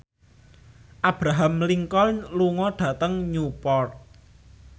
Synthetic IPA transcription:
ʔab̥ɾaɦamliŋkɔlluŋɔɖ̥ä̤t̪əŋɲupɔrt̪̚

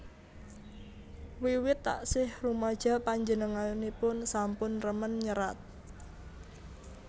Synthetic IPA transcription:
wiwɪt̪ːa̰ʔsɪhrumad̥ʒ̥a̤paɲd͡ʒənəŋanipʊnsampʊnrəmənɲəɾa̰t̪̚

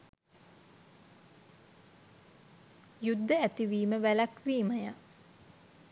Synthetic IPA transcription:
jud̪ːəæt̪iʋiːməʋælakʋiːməja

